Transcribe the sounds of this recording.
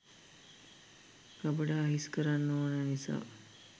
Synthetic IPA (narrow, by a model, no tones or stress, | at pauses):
kabəɖaːɦiskəɾanːoːnanisa̰ː